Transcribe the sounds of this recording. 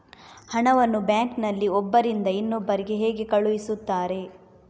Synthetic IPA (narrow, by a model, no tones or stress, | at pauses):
hɐɳɐʋɐnːubjaːŋknɐlːiɔbːɐɾind̪ɐinːubːɐɾiɡeɦeːɡe̞kɐɭuʋisut̪ːaːɾe̞